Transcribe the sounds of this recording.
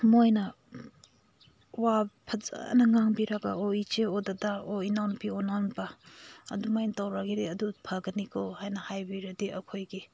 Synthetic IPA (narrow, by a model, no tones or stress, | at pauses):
mojnɐ | wapʰɐza̰nɐŋaŋbiɾaɡa̰oit͡ʃeodadaoinawnpionawnpa̰ːdumajnɐtawɾaɡiɾeɐdupʰaɡɐnikʰowhajnɐhajbiɾɐdiɐkʰojɡi